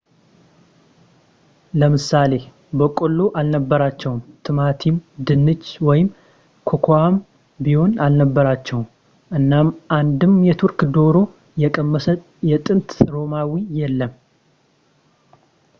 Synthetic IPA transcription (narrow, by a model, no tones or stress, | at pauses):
ləmɨsale̞ | bəkʼolːoʔalnəbːəɾat͡ʃːɛwumt̪ʰɨmat̪ʰimd̪ɨnːɨt͡ʃːwɔjɪm | kʰokʰoam | biho̞nalnəbːəɾat͡ʃːɛwum | ʔɨnːamʔand̪ɨmjɛt̪ʰuɾkd̪o̞ɾo̞ | jɛkʼəmːəsət̪ | jɛt̪ʼɨnt̪ɾo̞mawijɛlːəm